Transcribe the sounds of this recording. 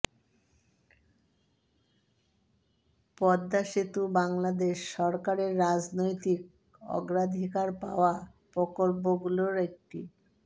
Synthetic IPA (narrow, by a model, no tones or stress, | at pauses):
pɔd̪ːaʃit̪ubaŋlad̪eʃːɔɾkaɾeɾːad͡ʑnojt̪ik̚ | ɔ̰ɡɾad̪ʱikaɾpa̰oa | pɔkoɾboɡuloɾek̚ʈi